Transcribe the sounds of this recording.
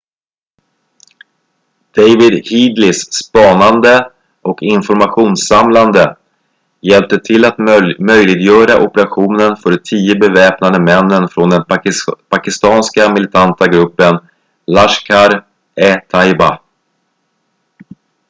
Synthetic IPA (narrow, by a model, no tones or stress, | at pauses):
d̪̥ejvɪd̪hiːd̪lɪsːpɑːnand̪ə | ʔɔkɪnfɔɾmaɧuːnsamland̪ə | jɛlp̚t̪ət̪ʰɪlːat̪mœjlɪɡjœːɾaʔɔpəɾaɧuːnənfœːɾt̪ʰiːəbɛvɛːpnad̪əmɛnːənfɾɔnd̪ɛnpʰakɪst̪ɑːnskamɪlɪt̪ʰant̪aɡɾɵpːən | laʂkʰaɾ | ɛt̪ʰajba